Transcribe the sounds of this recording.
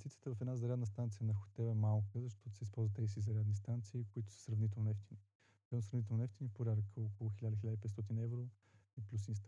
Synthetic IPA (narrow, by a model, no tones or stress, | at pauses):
st̪it̪sjə̥t̪əvɐfɛd̪nazɐɾʲad̪nəst̪ant̪sijənɐxo̥t̪ɛvɛmalˠkəzɐʃt̪ɔt̪ʊ̥sɛispɔlˠzvət̪ɛsizɐɾʲad̪nis̬t̪ant̪siːkʊit̪ʊ̥sə̥sɾɐvnit̪̬ɛlˠnoɛft̪ini | d̪ɛnosɾɐvnit̪ɛlˠnɛft̪inipoɾʲaɾəkəokolˠʊxʲilʲad̪əxilad̪əipɛt̪st̪ɔt̪inɛvɾo | iplʲus̬inst̪